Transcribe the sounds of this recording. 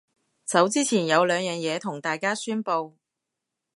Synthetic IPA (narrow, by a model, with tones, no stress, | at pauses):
sɐ˨˥wt͡siː˥t͡sʰiː˨˩njɐ˨˧wlœː˨˧ŋjœː˨ŋjɛː˨˧t̪ʰʊ˨˩ŋt̪aː˨jkaː˥syː˥npo˧w